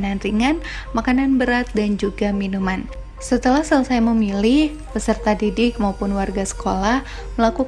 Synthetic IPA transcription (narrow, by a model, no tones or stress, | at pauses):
nanriŋanmakananbəɾat̪̚dand͡ʒuɡaminuman | sət̪əlahsələsajməmilɪh | pəsərt̪adidɪk̚maupʊnwarɡasə̥kolah | məlaku